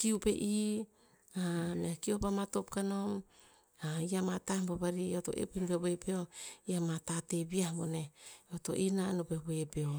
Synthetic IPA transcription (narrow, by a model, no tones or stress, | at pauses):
kiupḛʔi | ameakiopamatop̚kanom | aiamatahmboβaɾioto̞̰ʔḛpenbeβoepeoiamatatebiahbone̞oto̞̰ʔinanopeboepeo